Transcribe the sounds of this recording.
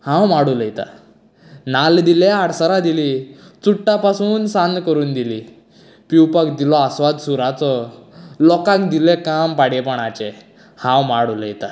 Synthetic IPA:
hãwmaɽuləjt̪a̰ | nald̪ileaɽsəɾad̪ilit͡suʈːapasuːnsand̪kəɾuːnd̪iliː | piwpakd̪ilɔasʋad̪suɾat͡sɔlɔkãkd̪ilekampaɽjɛpəɳ̃at͡ɕe | hãwmaɽuljt̪a

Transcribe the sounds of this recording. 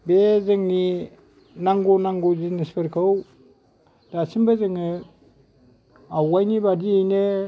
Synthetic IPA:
bezɯŋni | naŋɡunaŋɡuzinispʰɯɾkʰaw | d̥asimbazɯŋɯ | awajnibadiejnɯ

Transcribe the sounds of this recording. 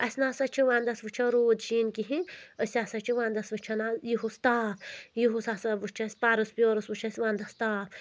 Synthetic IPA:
ɐsʲnaːsɐt͡ʃʰiʋãːnd̪ɐsʋɨt͡ʃʰɐɾoːd̪ʃiːnkiɦĩəsʲaːsɐt͡ʃʰiʋãːnd̪ɐsʋɨt͡ʃʰɐnajiɦust̪aːpjiɦusaːsɐʋɨt͡ʃʰɐsʲpaːɾɨspʲjoːɾɐsʋɨt͡ʃʰɐsʲʋãːnd̪ɐst̪aːp

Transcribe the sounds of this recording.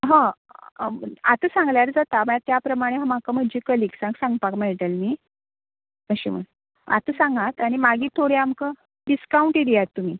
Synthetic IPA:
ɦã | at̪əsãŋɡljaɾd͡zat̪aməɭat̪japɾəmaɽ̃eɦãm̤akəməd͡ʑiːkəliːksãŋɡsãŋɡpakmeɭʈəlmi | əɕḭmə̰n | a̰t̪əsãŋɡat̪aɽ̃imaɡiːt̪ʰːoɽeamkə | ɖiskauɳʈiɽijat̪ːum̤iː

